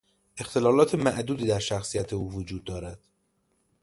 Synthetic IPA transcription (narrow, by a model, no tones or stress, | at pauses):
ʔe̞xt̪ʰe̞lɒːlɒːt̪ʰe̞mæʔd̪uːd̪iːd̪æɾʃæxsijæt̪ʰeuːvod͡ʒuːd̪ːɒːɾæd̪̥